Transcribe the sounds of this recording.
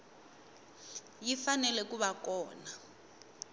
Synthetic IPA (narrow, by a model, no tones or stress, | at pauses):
jifanɛlɛkuβakɔːna